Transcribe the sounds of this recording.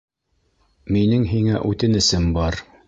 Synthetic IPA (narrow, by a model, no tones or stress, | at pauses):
minɘŋɦiŋæʔʉt̪ɘnɘ̆sɘmbɑɾ